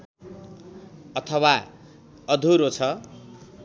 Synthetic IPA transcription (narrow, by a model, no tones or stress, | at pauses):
ʌt̪ʰʌwa | ʌd̪ʱuɾot͡sʰʌ